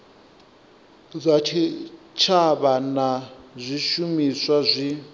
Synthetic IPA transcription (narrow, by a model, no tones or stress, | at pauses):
zʷatʰi | t͡ʃʰaβanazʷiʃumiswazʷi